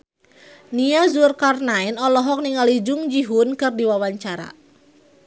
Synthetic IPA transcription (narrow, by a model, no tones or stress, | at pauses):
niazurkarnainɔlɔɦɔk̚niŋalid͡ʒʊŋd͡ʒiɦʊnkɨrdiwawaɲt͡ʃaɾa̰